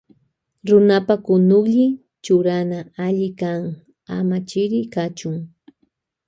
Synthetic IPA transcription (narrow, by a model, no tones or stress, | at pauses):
ɾʊnapakʊnʊkʎɪ | t͡ʃʊɾanaaʎɪkaŋ | a̰mat͡ʃɪɾɪkat͡ʃʊŋ